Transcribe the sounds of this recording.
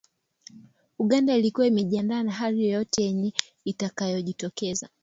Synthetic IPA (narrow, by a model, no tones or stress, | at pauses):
uɠandailikuwaimɛʄiandaːnaɦaɾijɔjɔtɛjɛɲɛ | itakajɔʄitɔkɛza̰